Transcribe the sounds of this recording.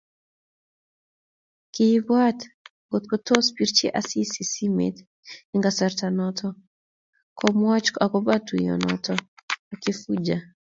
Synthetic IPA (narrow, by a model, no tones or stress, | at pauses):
kiibwatŋɡɔt̪̚kɔtɔspiɾt͡ʃḭʔasisisimɛ̰t̪ | iŋɡasaɾtanɔtʰɔ | kɔmwat͡ʃkakɔbatujɔ̰nɔ̰tɔakifud͡ʒa